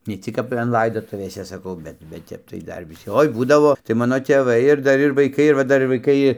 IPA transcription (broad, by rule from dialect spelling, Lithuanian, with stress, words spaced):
nʲɛ ˈt͡sʲɪk kɐp ɐn ˈlˠɐɪdoːtʊʋʲeːsʲɛ sɐˈkɐʊ ˈbʲɛt bʲɛt ˈtʲɛp tɐɪ ˈdɐr ʋʲɪˈsʲɪ ˈoːɪ ˈbuːdɐʋoː tɐɪ ˈmɑːnoː tʲeːˈʋɐɪ ɪr ˈdɐr ɪr ʋɐɪˈkɐɪ ɪr ʋɐ ˈdɐr ɪr ʋɐɪˈkɐɪ